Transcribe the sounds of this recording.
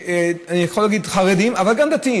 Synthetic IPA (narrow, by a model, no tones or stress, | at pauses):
eanijeχolaːɡid̪χaʁed̪imavalɡamd̪at̪ii